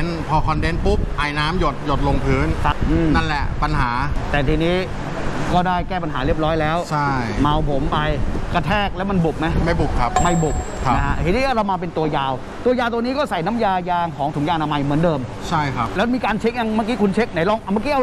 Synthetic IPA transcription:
npʰɔː˧kʰɔ˧nde˦˥npu˦˥p̚ʔa˨˩jnaː˦˥mjo˨˩t̪̚jo˨˩t̪̚lo˧ŋpʰɯː˦˥nkʰa˦˥p̚ʔɯː˧mna˥˩nlɛ˨˩ʔpa˧nɦaː˩˦t̪ɛː˨˩t̪ʰiː˧niː˦˥ | kɔː˥˩daː˥˩jkɛː˥˩pa˧nɦaː˩˦ɾi˥˩əp̚ɾɔː˦˥jlɛː˦˥wt͡ɕʰa˥˩jma˧wpʰo˩˦mpa˧jka˧t̪ʰɛː˥˩k̚lɛː˦˥wma˧nbu˨˩p̚ma˦˥jma˥˩jbu˨˩p̚kʰa˦˥p̚ma˥˩jbu˨˩p̚ʰa˦a˦˧˩a˦˥ʔhe˨˦niː˧˥˩ʔaː˧˥˩ɾa˧wmaː˧pe˧nt̪u˧ɐjaː˧w | t̪u˧ɐjaː˧wt̪̬niː˦˥kɔː˥˩sa˨˩jna˦˥mjaː˧jaː˧ŋkʰɔː˩˦ŋt̪ʰu˩˦ja˧ʔna˧ma˧jmɯ˨˩˦ndɤː˧mt͡ɕʰa˥˩jkʰa˦˥p̚lɛ˦˥˧miː˧kaː˧nt͡ɕʰe˦˥k̚ja˧ŋmaː˥˩k̬iː˦˥kʰu˧nt͡ɕʰe˦˥k̚na˨˦jlɔː˥˩ŋʔma˥kiː˦˥ʔa˧˩

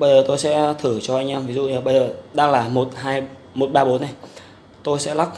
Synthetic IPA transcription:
ɓə˧jzəː˨˩t̪o˧jsɛ̰˧˥t̪ʰɨ˧˩t͡ɕɔ˧ʔa˧jŋ̟ʔaː˧mvi˨˦zṵ˧˨ɲa˨˩ɓə˧jzəː˨˩ɗaː˧ŋlaː˨˩mo˨˩t̚ɦaː˧j | mo˨˩t̚ɓaː˧ɓo˨˦nːa˨˩j | t̪o˧jsɛ̰˧˥la˦˥k̚

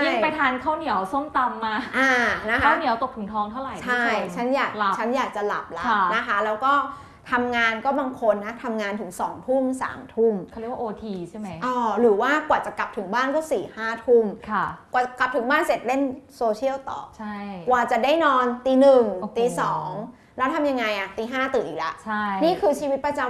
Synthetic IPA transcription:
a˥˧˥pa˧jt̪ʰaː˧nkʰaː˥˩wni˨˩˦wso˥˩mt̪a˧mːaː˧ʔaː˧˩na˦˥kʰaa˦˥˩wni˨˩˦əwt̪o˨˩ɯ˩˦t̪ʰɔː˧˦˥ŋt̪ʰa˥˩wɾa˨˩jt͡ɕʰa˦˥˩jt͡ɕʰa˦˥njaː˨˩k̚a˨˧˩t͡ɕʰa˦˥njaː˨˩k̚t͡ɕa˨˩la˨˩p̚la˦˥˧na˦˥kʰa˦˥lɛː˦˥wkɔː˥˩ | t̪ʰa˧mŋaː˧nkɔː˥˩baː˧ŋkʰo˧nːa˦˥t̪ʰa˧mŋaː˧nt̪ʰɯ˨˩˦ŋsɔ̰ː˩˦ŋt̪ʰu˥˩msa̰ː˩˦mt̪ʰu˥˩m˥˦jwaː˧˨ʔoː˧t̪ʰiː˧t͡ɕʰa˥˩jma˦˥ʔɔː˧˩ɾɯː˩˦waː˥˩kwaː˨˩t͡ɕa˨˩kla˨˩p̚t̪ʰɯ˨˩˦ŋbaː˥˩nkɔː˥˩siː˨˩haː˥˩t̪ʰu˥˩mkʰa˧˩kwaː˨˩kla˨˩p̚t̪ʰɯ˩˦ŋbaː˥˩nse˨˩t̪̚le˥˩nsoː˧t͡ɕʰi˥˩əwt̪ɔ̰ː˨˩k̚t͡ɕʰa˥˩jkwaː˨˩t͡ɕa˨˩daː˥˩jnɔː˧nt̪iː˧nɯ˨˩ŋt̪iː˧sɔː˩˦ŋ | lɛː˦˥wt̪ʰa˧mja˧ŋːa˧jʔa˨˩t̪iː˧ɦaː˥˩t̪ɯː˨˩ʔiː˨˩k̚la̰˨˩ʔt͡ɕʰa˥˩niː˥˩kʰɯː˧t͡ɕʰiː˧wi˦˥pɾa˧t͡ɕa˧

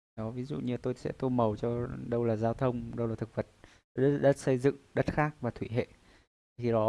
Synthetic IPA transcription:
ɗɔ˨˦vi˨˦zṵ˧˨ɲɨ˧t̪o˧jsɛ̰˧˥t̪o˧jmə˨˩wt͡ɕɔ˧ɗə˧wlaː˨˩zaː˧wt̪ʰə˧wŋ͡mɗə˧wlaː˨˩t̪ʰɨ˨˩k̚və˨˩t̪̚ | o˧jɗə˦˥t̚ɗə̰˦˥t̚sə˧jzɨ̰˧˨ŋɗə˦˥t̚xaː˦˥k̚vaː˨˩t̪ʰwi˧˩ɦḛ˧˨ | xʰi˨˩ɗɔ˨˦

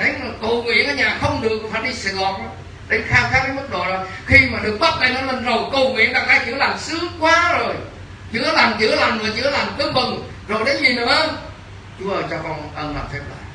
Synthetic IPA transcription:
a˨˦ja˨˩kə˨˩wŋwḭ˧˨ənʔaː˧ɲaː˨˩xə˧wŋ͡mɗɨ˨˩ək̚ːfaː˧˩˦ɗi˧˩sɛ˧˩ɣɔ˨˩nlaː˨˦m | ɗe˨˦nxaː˧wxaː˦˥k̚kaː˨˦jmɨ˦˥k̚ɗo̰˧˨zɔ˨˩j | xi˧maː˨˩ɗɨ˨˩ək̚ɓa˦˥t̚na˨˩jnɔ˧˦lə˨˩nzo˨˩jkə˨˩wŋwḭ˧˨ənɗaː˧˩ʔaː˧˩jt͡ɕɨ̰˧˦laː˨˩msɨ˨˦əŋkwaː˨˦zo˨˩j | t͡ɕɨ̰˧˥˦ə˦laː˨˩mt͡ɕɨ̰˧˥əlaː˨˩mɨ˨˩ət͡ɕɨ̰˧˦ə˦laː˨˩mkɨ˧mmɨ˨˩ŋ | zo˨˩jɗə˨˦zi˨˩nə˨˩ʔə˧n | t͡ɕu˨˦ʔəː˨˩t͡ɕɔ˧˩kɔ˨˩nʔəː˨˩la̰˨˩p̚t̪ʰe˧mla̰ː˧˨j

